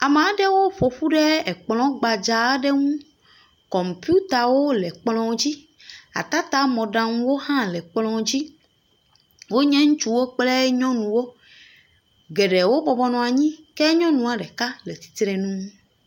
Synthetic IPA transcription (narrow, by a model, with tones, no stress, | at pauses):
a˨me˨a˨ɖe˦wo˦ɸo˨ɸu˦ɖɛ˦ɛ˨k͡plɔ̃˦ɡ͡ba˨d͡ʒa˨˦ɖɛ˦ŋũ˦ | kɔ˨mpju˦t̪a˨wo˦lɛ˨k͡plɔ̃˦d͡ʑi˦ | a̰˨t̪a˦t̪a˦mɔ̃˨ɖã˨ŋ̃˦wo˦hã˦lɛ˨k͡plɔ̃˨d͡ʑi˦ | wo˦ɲɛ̃˦ŋũ˦t͡ʃu˦wo˦k͡plɛ˦ɲɔ̃˦nũ˨wo˦ | ɡɛ˨ɖɛ˨wo˦bɔ˨bɔ˦nɔ̃˨a˨ɲĩ˦kɛ˦ɲɔ̃˦nũ˨a˨ɖɛ˨ka˦lɛ˨t̪i̥˨t̪ɾɛ˨nũ˦